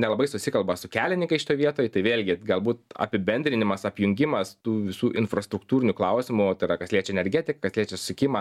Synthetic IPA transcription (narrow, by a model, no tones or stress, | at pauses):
nʲɛlˠɐbɐɪsʊsʲɪkɐlˠbɐsʊkʲæːlʲɪnʲɪŋkɐɪʃʲɪ̥t̪oːjʋʲiɛt̪oːjt̪ɐɪʋʲeːlʲɡʲɪɡɐlˠbuːt̪ɐ̰pʲɪbʲɛnʲd̪ʲɾʲɪnʲɪmɐsɐpʲjʊŋʲɡʲɪmɐst̪uːʋʲɪsuːʔɪnfɾɐst̪ɾʊkt̪uːɾʲɪnʲʊklˠɐʊsʲɪmʊt̪ɐɪɾɐkɐsʲlʲiɛt͡ʃʲɛnʲɛɾʲɡʲæt̪ʲɪkɐkɐsʲlʲiɛt͡ʃʲɛsʊ̥sʲɪkʲɪmɐ